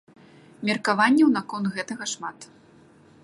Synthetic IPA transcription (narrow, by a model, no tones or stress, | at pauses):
mʲɛrkavanʲːɛwnakɔnt̪ɣɛt̪ɐɣɐʂmat̪